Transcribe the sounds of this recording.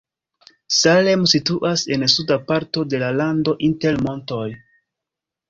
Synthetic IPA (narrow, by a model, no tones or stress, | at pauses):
sale̞msituʔase̞nsudapaɾto̞de̞lalando̞ʔinte̞ɾmo̞nto̞j